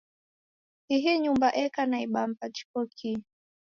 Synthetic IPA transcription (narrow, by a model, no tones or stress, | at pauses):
iɦɛɲumbaʔɛkanaiɓam̩pat͡ʃi̥kɔkʰi